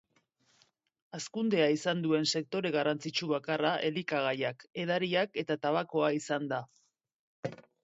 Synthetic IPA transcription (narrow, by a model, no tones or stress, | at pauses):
askund̪e̞aisand̪ue̞nse̞k̚t̪o̞ɾe̞ɣ̞arant͡sit͡ʃuβakaraʔe̞likaɣ̞ajake̞ð̞aɾiake̞t̪at̪aβako̞aisand̪a